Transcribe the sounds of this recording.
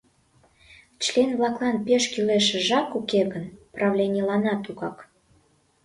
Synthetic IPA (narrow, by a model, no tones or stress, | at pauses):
t͡ɕlʲenvlɑklˠɑnpeʃkileʃĕʒɑkukeɣənprɑvlʲenʲilɑnɑt̪uɣɑk